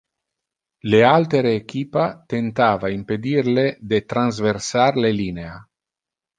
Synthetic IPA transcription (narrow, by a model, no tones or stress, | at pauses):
lealt̪eɾeːkiːpat̪ent̪aːvaimped̪irled̪et̪ɾanzversarlelinea